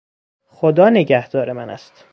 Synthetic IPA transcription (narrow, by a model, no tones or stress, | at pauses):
xod̪ɒːneɟæhd̪̥ɒːɾe̞mænæ̰st̪